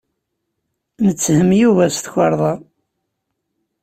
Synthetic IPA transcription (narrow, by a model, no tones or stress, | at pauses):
nət͡sːhəmjuvæst̪çʷɑɾˤðˤɑ